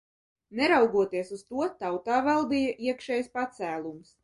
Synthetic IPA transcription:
nɛɾawɡuɔt̪iɛsuzt̪uɔt̪awt̪aːvɛlˠd̪ijaʔiɛkʃɛːjspat̪sæːlˠums

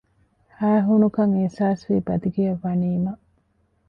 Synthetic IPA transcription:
hæːɦunukɐŋisaːsʋiːbɐd̪iɡejɐʋɐniːmɐ

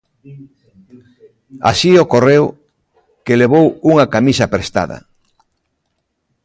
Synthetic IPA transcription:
a̰siokorew | keleβ̞owuŋɐkamisɐpɾest̪a̰ðɐ̰

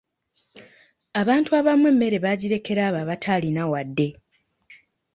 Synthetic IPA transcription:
aβaːntuaβamwe̞ːmːe̞ɾe̞βaɟiɾe̞ke̞ɾaːβaːβatʰaːlinawadːe̞

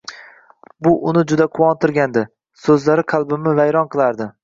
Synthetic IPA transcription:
bʊʔʊnɪd͡ʒʊd̪aqʰʊwɒnt̪ʰɪɾɡʲand̪ɪ | sɵzlaɾɪqʰɑlˠbɪmɪvajɾɒnqʰɨlˠaɾd̪ɪ

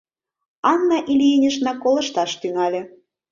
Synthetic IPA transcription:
ɑnːɑʔilʲienʲə̆ʃnɑkolɤ̆ʃt̪ɑʃt̪yŋɑlʲe

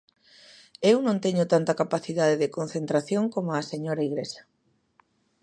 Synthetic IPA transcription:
ewnõnt̪eɲʊt̪ant̪ɐkapaθiðaðeðɪkon̟θent̪ɾaθjoŋkomʊaseɲoɾɐiɣɾesɐ̥

